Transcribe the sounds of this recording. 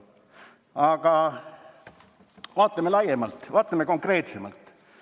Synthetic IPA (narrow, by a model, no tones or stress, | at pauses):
ɑɡ̥ɑ | vɑːt̪ˑːɑmelɑjemɑlt̪ːvɑːt̪ːˑɑmeko̞ŋkre̞ːt̪semɑ̰lt̪